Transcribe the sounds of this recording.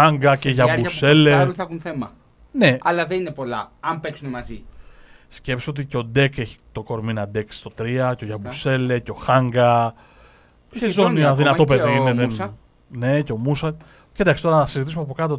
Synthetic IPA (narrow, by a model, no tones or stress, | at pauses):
aŋɡɐceʝɐbuse̞lleθexunθemɐ | ne̞ɐlɐðeninepo̞lɐ̰ɐmpeksunemɐzi | sce̞psot̪iceo̞d̪e̞keçi̥t̪o̞ko̞ɾminɐd̪e̞ksst̪ot̪ɾiɐceo̞ʝɐbuse̞le̞ceo̞xɐŋɡɐ | çezoniɐðinɐt̪o̞pe̞ðiineðen | ne̞ceo̞musɐ | ced̪ɐksit̪o̞ɾɐnɐsizit̪is̬umeɐp̬o̞kɐt̪o